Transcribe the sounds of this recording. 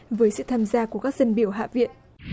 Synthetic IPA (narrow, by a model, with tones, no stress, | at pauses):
vəː˨˦jsɨ̰˧˨t̪ʰaː˧mzaː˧ku˧˩kaː˦˥k̚zə˧nɓi˧˩əwɦa̰ː˧˨vḭ˧˨ən